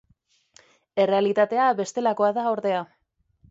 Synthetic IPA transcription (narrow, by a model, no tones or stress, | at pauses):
e̞re̞alit̪at̪e̞aβe̞st̪e̞lako̞aðaoɾðe̞a